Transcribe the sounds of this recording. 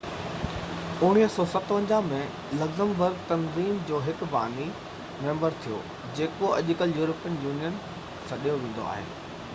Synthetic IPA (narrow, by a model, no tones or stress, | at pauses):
ʊɽ̃iːɦsɔːsɐt̪ʋə̃ɲd͡ʑamẽ | lɐɡzə̃mbəɾɡ̚t̪ɐnziːmd͡ʑoːɦɪkba̰ːni | mẽːmbəɾt̪ʰijo̰ | d͡ʑeːkoɐʄʊkəljuːɾəpijənjuːnijən | sɐɗijoʋẽːn̆d̪o̰a̰ːɦḛː